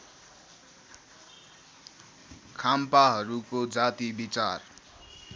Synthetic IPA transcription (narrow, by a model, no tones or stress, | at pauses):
kʰampaɦʌɾukod͡zat̪ibit͡sar